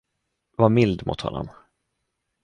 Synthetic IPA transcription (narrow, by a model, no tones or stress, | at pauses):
vaɾmɪld̪mʊ̰ːt̪hɔ̰nːɔ̰m